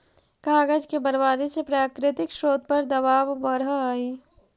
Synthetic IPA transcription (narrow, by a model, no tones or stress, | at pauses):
kaːɡəd͡ʒkebɐɾʋaːd̪esepɾaːkɾɪt̪ɪkʃɾoːd̪̚pɐɾd̪ɐbaːʋbɐɾaaːiː